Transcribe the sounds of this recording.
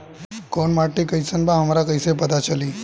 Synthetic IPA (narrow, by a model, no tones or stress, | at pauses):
konmaʈːikəjsənbãɦəmaɾakəjsepət̪at͡ʃəliː